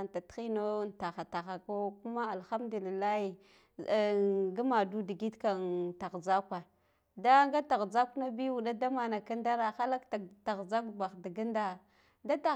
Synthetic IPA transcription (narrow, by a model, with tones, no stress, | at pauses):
n˨ta˨txi˦no˦n˨ta˨xa˨ta˨xa˨ko˦ku˦ma˦a˨lxa˦mdu˨li˨lːa˦hi˨ | ɡa˦ma˨du˦di˨ɡi˦tka˨nta˨ɣza˦kʷa˨ | da˦ŋɡa˦ta˨ɣza˦ku˦na˦bi˦wu˨ɗa˦da˦ma˨na˨ka˦nda˦ɾa˨xa˦la˦kta˨ɣza˦kba˨xda˨ɡi˦nda˦˨ | da˦ta˨